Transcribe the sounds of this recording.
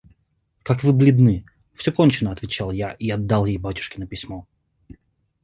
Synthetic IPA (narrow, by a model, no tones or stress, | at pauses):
kakvɨblʲɪd̪nɨ | fsʲokont͡ɕɪnəɐt̪vʲɪt͡ɕalˠjaʔiɐd̪ːalˠjejbatʲʊ̥ʂkʲɪnəpʲɪsʲmo